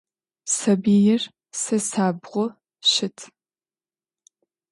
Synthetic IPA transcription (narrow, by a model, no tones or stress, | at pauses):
sɐbiːjɪr | sɐsaːbʁʷɔ | ʃɪtʰ